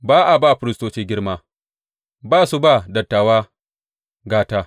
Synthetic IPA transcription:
baː˦ʔa˨baː˦˨ɸɪ˨ɾɪ˦stoː˦t͡ʃeː˦ɡʲɪ˦ɽmaː˦ | baː˦˨su˦ba˦˨dɐ˨tːaː˨waː˦ | ɡaː˦taː˦

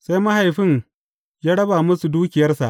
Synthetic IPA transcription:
sa˦jmɐ˦ɦa˨jɸɪ˦n | jaː˦ɽɐ˦baː˨mʊ˦su˨duː˦kʲɪ˨jɐ˦rsa˨ʔ

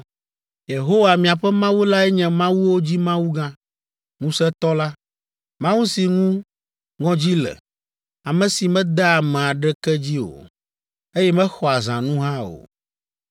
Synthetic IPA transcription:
je˨ɦo˦wa˨mĩ˨a˨ɸɛ˦mã˦wu˦la˦ɛ˦ɲɛ̃˨mã˦wu˦wo˦d͡ʑi˦mã˦wu˦ɡã˦ | ŋũ˦sɛ˦t̪ɔ˦la˦ | mã˦wu˦si˨ŋũ˦ | ŋɔ̃˦d͡ʑi˦lɛ̰˨ | a˨mɛ̃˨si˨mɛ̃˦d̪a˦a˨mɛ̃˨a˨ɖɛ˦kɛ˦d͡ʑi˦o̰˨ | e˦jɛ˦mɛ̃˦xɔ˨a˨zã˨nũ˦ɦã˦o̰˨

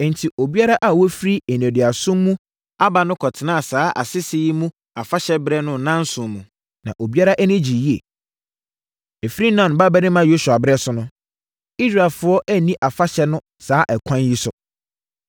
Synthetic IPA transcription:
n̩˨tʰi˨ʔo˨bi˦a˦ɾa˦ʔa˨wɔ˦fɾi˦e˨n˨ɛ̃˨dɪ˨a˨sʊ̃˦mː˦ũ˦ | a˦ba˨nʊ̃˦kʰɔ˨tʰɪ˨nãː˦˨saː˦ʔa̰˨sɪ˦sɪ˦ji˦mũ˦ | a˨fa˦ɕɛ˦bɾɛ˦nʊ̃˦˨nã˦n˦sʊ̃˨mũ˨ | nã˨ʔo˨bi˦a˦ɾa˦ʔɛ˦nɪ̃˦d͡ʑi˨ji˦e˨ | e˨fi˦ɾi˦nã˨n˨ba˦bɛ˦nɪ̃˦mã˦jo˦su˨a˨bɾɛ˦sʊ˨nʊ̃˦ | i˦sɾa˨ɛ˨lfʊ˨˦ɔ˦ʔæ˦nĩ˦ʔa˨fa˦ɕɛ˦nʊ̃˦ | saː˦ʔɛ˨kʷʰã˦nji˦sʊ˨

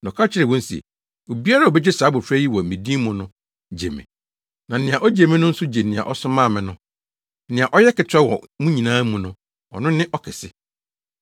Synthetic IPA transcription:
nɔ̃˨kʰa˦t͡ɕʰɪ˦ɾɛ˨wɔ̃˦n˦si˨e˨ | o˨bi˦a˦ɾa˨ɔ˨bɛ˦d͡ʑɪ˦saː˨˦bʊ˨fɾɛ˦ji˦wɔ˨m̩˨ĩ˨di˦mʊ̃˨nʊ̃˦ | d͡ʑḛ˨mɛ̰̃˨ | nã˨nɪ̃˨ã˨ʔɔ˦d͡ʑe˨mɛ̃˦nʊ̃˦n̩˦sʊ˦d͡ʑe˨nɪ̃˨a̰˨ʔɔ˦sʊ̃˦mãː˦˨mɪ̃˨nʊ̃˦ | nɪ̃˨ã˨ʔɔ˦jɛ˦kɪ˨tʰᶣɛ˦wɔ̰˨˦mũ˦ɲĩ˨nãː˦mũ˨nʊ̃˦ | ɔ̰˨nʊ̃˦nɪ̃˦ʔɔ˦kʰɪ˨sɪ˦

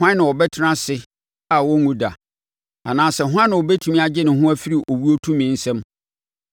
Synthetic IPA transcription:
hã˦nɪ̃˨ɔ˨bɛ˦tʰɪ˦nã˦sɪ˦ | a˨wɔ˦ŋũ˦da̰˨ | a̰˨nãː˨˦sɛ˨ɦʷʊ˦ã˦nɪ̃˨wɔ˨bɛ˦tʰu˦mĩ˦a˨d͡ʑɪ˦nɪ̃˨ɦʊ̃˦æ˦fi˦ɾi˨ʔo˨wu˦o˦tʰũ˦mĩ˨n̩˦sɛ̃˦m

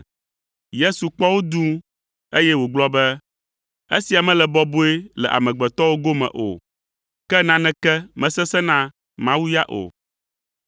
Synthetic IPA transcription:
je˦su˨k͡pɔ˦wo˦d̪ũ˦ | e˦jɛ˦wo˨ɡ͡blɔ˦bɛ˦ | e˦si˨a˨mɛ̃˦lɛ˨bɔ˦bo˦e˦lɛ̰˨ʔa̰˨mɛ̃˨ɡ͡bɛ˨t̪ɔ˦wo˦ɡo˦mɛ̰̃˨ʔo̰˨ | kɛ˦nã˦nɛ̃˦kɛ˦mɛ̃˨sɛ˦sɛ˦nã˦ | mã˦wu˦ja˦ʔo̰˨

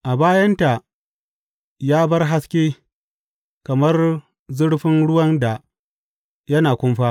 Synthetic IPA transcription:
ʔa˨baː˦jɐ˦nta˨ | jaː˦bɐ˦rɦa˦skʲeː˦ | kɐ˨mɐ˦r | zʊ˦ɽɸɪ˦nɽʊ˦wɐ˦nda˨ | jɐ˦naː˨kʷʊ˦mɸaː˦

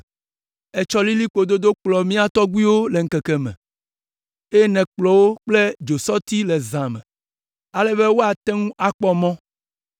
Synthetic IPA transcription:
e˨t͡ʃɔ˦li˦li˦k͡po˨d̪o˦d̪o˦k͡plɔ˨mĩ˦a˨t̪ɔ˦ɡu˦i˦wo˦le˨ŋ̩˦kɛ˨kɛ˨mɛ̰̃˨ | e˦jnɛ̃˨k͡plɔ˨wo˦k͡ple˦d͡ʒo˨sɔ˦t̪i˦lɛ˨zã˨mɛ̰̃˨ | a˦lɛ˦βe˦wo˦a˨t̪ɛ˦ŋũ˦ʔa˨k͡pɔ˦mɔ̃˦

